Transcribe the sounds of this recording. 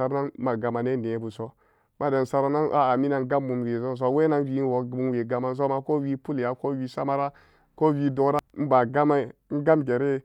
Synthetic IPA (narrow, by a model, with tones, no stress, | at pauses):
a˨ɾna˦nma˨ɡa˨ma˨ne˦ne˨˦bu˨so˦ | ma˦da˨n˨sa˨ɾa˦na˦nʔa˦a˨mi˦na˨ŋ˦ɡa˦mːu˨m˨ɾe˨zo˦n˨s̬o˦we˦na˦n˦wi˦wo˨u˦n˦we˨ɡa˨ma˦˨ns̬o˦ma˨ko˦wi˦pu˦la˨ko˦wi˦sa˦ma˦ɾa˦ | ko˦wi˦do˨˦ɾa˦m̩˦ba˨ɡa˦ma˦i˦˨n̩˦ɡa˦mɡe˨ɾe˦